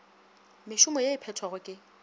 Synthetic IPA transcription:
mɪʃʊmɔjaɪpʰɛtʰwaɣʊkʼɪ

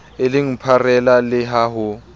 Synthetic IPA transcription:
eliŋ̩pʰarɛlalɪɦaːɦʊ

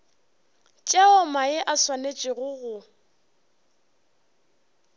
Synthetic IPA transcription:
t͡ʃʼɛɔmaɪʔaswanet͡ʃʼɪɣʊɣʊ

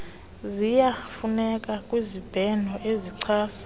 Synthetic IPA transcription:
zijafunɛkʼakʼwizib̥ʱɛnɔʔeziǀʰaːsḁ

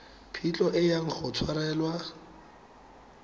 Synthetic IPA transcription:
pʰit͡ɬʼɔʔɪjaŋ̩χʊt͡sʰwaɾɛːlwa

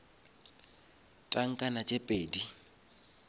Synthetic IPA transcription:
t͡ɬʼaŋ̩kʼanat͡ʃʼepʼeːdi

